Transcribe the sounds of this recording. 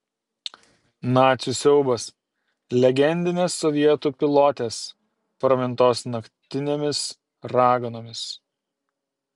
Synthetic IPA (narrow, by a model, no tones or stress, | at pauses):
nɑːt̪sʲusʲɛʊbɐs | lʲɛɡʲɛnʲd̪ʲɪnʲeːsːɔʋʲiɛt̪uːpʲɪlˠɔt̪ʲeːs | pɾɐmʲɪnˑt̪oːsnɐkt̪ʲɪnʲeːmʲɪs | ɾɑːɡɐnoːmʲɪs